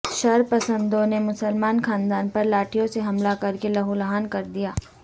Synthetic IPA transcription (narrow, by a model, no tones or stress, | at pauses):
ʃɐɾpɐsə̃nd̪õnemʊsəlmaːnxʰaːnd̪aːnpɐɾlaːʈʰijõseɦɐmlakɐɾkelɐɦulɦaːnkɐɾd̪ijaː